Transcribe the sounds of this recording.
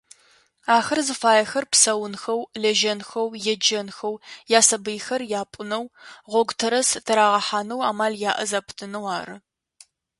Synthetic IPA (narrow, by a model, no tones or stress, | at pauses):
aːxɐrzɨfaːjɐxɐrpsɐwʊnxɐwlɐʒɐnxɐwjɛd͡ʒɐnxɐwjaːsɐbɨjxɐrjaːpʷʼʊnɐwʁʷɔɡʷtʰɐɾɐstʰɐɾaːʁɐħaːnɐwa̰ːmaːljaːʔɐzaːpʰtʰɨnɐwaːɾɨ